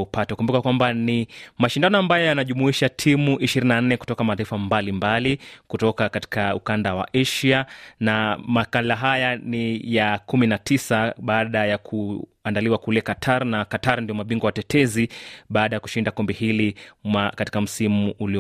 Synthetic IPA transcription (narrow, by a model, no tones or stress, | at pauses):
upatɛukumbukakwambanimaʃindanɔambajɔjanaʄumuiʃatʰimuʔiʃiɾininan̩nɛku̥tɔkamataifambalimbalikutɔkakati̥kaukandawa̰ʔɛʃianamakalaɦajanijakuminatʰisaɓaːɗajakʰu | andaliwakulɛkatʰaɾnakataɾndijɔmaɓiŋɡɔwatɛtʰɛziɓaːɗajaku̥ʃindakɔmbɛhilimakati̥kam̩simuːli